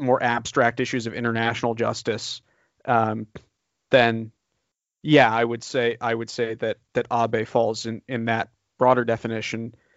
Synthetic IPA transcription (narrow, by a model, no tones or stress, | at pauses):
mɔɹʔæb̥stɹ̥æk̚tɪʃʉzʌvɪ̃ɾ̃ə˞næʃn̩l̩ˠd͡ʒʌ̰stɨs | ʔʌ | ðɨ̃n | jæaɪwɨd̥seɪʔaɪwɨd̥seɪðɨt̪̚ðɨɾʔɑbeɪfɔlˠzɨ̃nɪ̃nðɨt̚ | b̥ɹɔɾə˞dɛfɨnɪʃɨ̃n